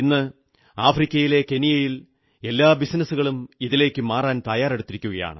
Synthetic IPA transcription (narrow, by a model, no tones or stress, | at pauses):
nːɨ | aːfrikʲːɐjile̞ke̞nijɐjil | e̞lːaːbisnɐsuɣɐɭumiðile̞ːkʲːɨmaːraːnt̪ɐjaːreɽut̪ːiɾikʲːuɣɐja̰ːɳɨ̰